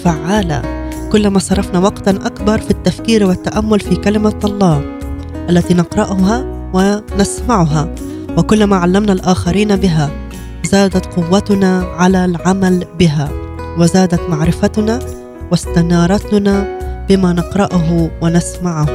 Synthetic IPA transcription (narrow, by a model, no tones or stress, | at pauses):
faʕːaːla̰ | kʊlːamasˤɑɾˤːɑfnawɑqt̪anʔakbɑɾˤfit̪ːafkiːɾwɪt̪ːaʔamːʊlfikalɪmaɑlˤːɑː | ʔalːat̪iːnɑqɾˤɑʔʊɦa | wɪnasmaʕʊɦa | wɪkʊlːamaʕalːamnalʔaːxaɾiːnbɪɦa | zaːd̪at̪qʊwːat̪ʊnaʕalalʕamalbɪɦa | wɪzaːd̪at̪maʕɾɪfat̪ʊna | wɪst̪anɑːɾˤɑt̪nabɪmanɪqɾˤɑʔʊɦʊwɪnasmaʕʊh